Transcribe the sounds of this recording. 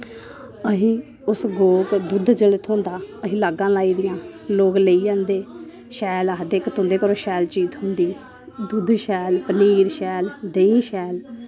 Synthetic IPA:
əɦĩː | ʊsɡoːkd̪ud̪d͡ʒələt̪ʰõːnd̪aːəɦĩːlaːɡãːlaːiːd̪ɪjãːloːkləiːd͡ʒãːnd̪eː | ʃɛːləɦd̪eːkt̪õːnd̪eːkəɾoːʃɛːlt͡ʃiːzɦʊ̃nd̪iː | d̪ud̪ʃɛːlpəniːɾʃɛːld̪eiːʃɛːl

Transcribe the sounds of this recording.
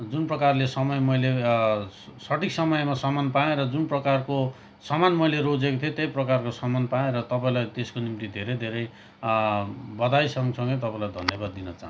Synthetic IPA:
d͡zunprʌkarlesʌmʌjmʌjle | sʌʈiksʌmʌjmasʌmanpaẽɾʌd͡zunprʌkarko | sʌmanmʌjleɾod͡zekot̪ʰiet̪ejprʌkarkosʌmanpaẽɾʌt̪ʌpaĩlajt̪eskonimt̪id̪ʱeɾʌjd̪ʱeɾʌj | bʌd̪ajsʌŋsʌ̃ŋɡʌjt̪ʌpaĩlajd̪ʱʌ̰nːjʌbad̪̚ːinʌt͡sa̰ɦn

